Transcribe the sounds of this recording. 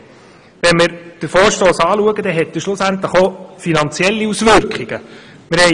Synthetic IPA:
ʋɛnmɪɾd̥əɾfoːɾʃtoːsɑːluəɡəd̪ɛɦɛt̪ːəʃlʊsænt̪ləχofinɑnt͡sjɛlːiusʋʏɾkχiɡ̥ə | mɪɾhɛ

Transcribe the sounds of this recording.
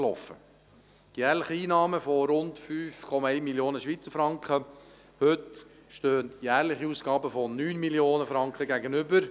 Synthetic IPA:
lɔfə̰ | tjæːɾlɪχiiːnɑːməfɔɾʊntfyːfkʰɔmɑɛɪmiljoːnəʃʋiːt͡səɾfɾɑŋkχə | hʏt | ʃtøːəntjæːɾlɪχiuːsɡ̥ɑːbəfɔnyːnmiljoːnəfɾɑŋkχəɡæɡənʏbəɾ

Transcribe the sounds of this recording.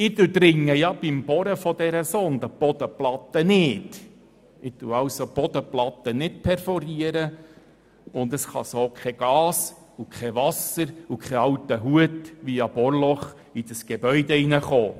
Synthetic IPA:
ɪt̪ud̪ɾɪŋːəjɑb̥ɪmb̥ɔɾəfɔd̥̪ɛɾəsond̪əb̥ɔd̪əplɑt̪ːənɪːd̥ | ɪt̪uɑwsob̥ɔd̥̪əplɑt̪ənɪtpʰɛrfɔɾiəɾə | ʊnd̪əsχɑ̰soːkʰɛɡ̥ɑːs | ukʰɛʋɑsəɾukχɛɑwtəɦuətʋiɑb̥ɔrlɔχ | id̥əsɡ̥ebœʏd̪ɛinəχoː

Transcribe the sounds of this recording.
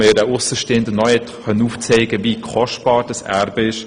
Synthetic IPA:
ɪɾaʊsəʃteːəndənɔɛtχœnuːft͡seɪɡəvikʰɔʃt̚b̥ɑːɾd̥əsæ̰ɾbəɪʃ

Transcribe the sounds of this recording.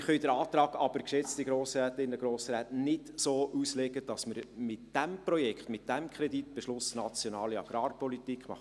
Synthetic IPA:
χœʏdəɾɑːt̪ɾɑːɡ̥ɑb̥əɾkʃɛt͡stiɡɾoːsɾɛːtɪnːəɡɾoːsɾæːtnɪtsoːʔuslɛɡəd̥ɑsməɾmɪtd̥æmprɔjɛkχtmɪt̚d̥æmkχɾɛditb̥eʃlʊsnɑt͡sjɔnɑːliɑ̰ɡ̥ɾɑːrpɔlitikχmɑ̰

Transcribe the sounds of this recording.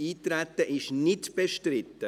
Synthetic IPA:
iːt̪ɾɛt̪ːəʔɪʃnɪtb̥ɛʃtɾɪt̪ːə

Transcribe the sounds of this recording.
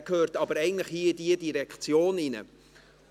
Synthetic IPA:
khøːɾtɑbəɾɛɪɡŋ̩n̩tləχhiːdiədiɾɛkt͡sjoːninə̰

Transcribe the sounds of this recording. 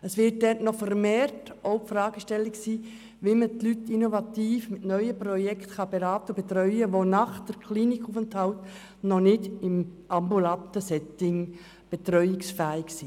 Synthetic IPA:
əsʋɪt̚dɛtnɔfəɾmeːrt | oʊpfɾɑːɡ̥əʃtɛlːɪksiː | ʋimətlytːinovɑt̪iːfmɪtnœʏəprɔjɛkt̪χɑb̥eɾɑːt̪əb̥et̪ɾœʏəʋonɑχd̥əɾkʰliːnikʰuːfʊnthawt | nɔnɪdɪm | ɑmbulɑnt̪əsɛtɪŋ | b̥et̪ɾœʏɪksfæːɪksi

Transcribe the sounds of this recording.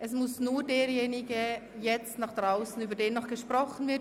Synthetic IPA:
ʔɛsmʊsnuːdeːɾjeːnɪɡə | jɛt͡stnɑːχd̥ʁaʊsn̩yːbɐdeːnːɔχɡ̥əʃpʁɔχn̩vɪɐ

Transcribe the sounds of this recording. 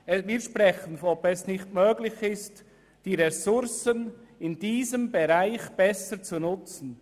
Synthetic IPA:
viːʃpʁɛxənɔbɛsnɪçtmøːɡlɪçɪst | d̥iːʁɛsʊɾsənɪnd̥iːzəmbeʁaɪçb̥ɛsət͡sunʊt͡sn̩

